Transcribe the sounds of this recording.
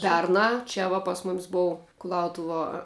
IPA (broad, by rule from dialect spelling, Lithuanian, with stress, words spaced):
ˈpʲɛrnɑː ˈt͡ʃʲɛ ʋɐ pɐs moːmʲsʲ ˈboːʊ kʊˈlˠɐʊtʊʋuɔ